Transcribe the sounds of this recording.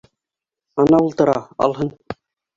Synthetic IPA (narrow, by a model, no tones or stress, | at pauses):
ɑnɑulˠt̪ɤ̆ɾɑ̰ɑ̰lˠɦɤn